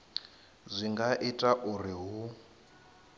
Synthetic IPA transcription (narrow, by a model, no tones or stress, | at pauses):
zʷiŋɡaʔitʼaʔuriɦu